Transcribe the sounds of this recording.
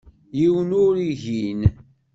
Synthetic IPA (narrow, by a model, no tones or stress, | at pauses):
jiwənʊɾiʝin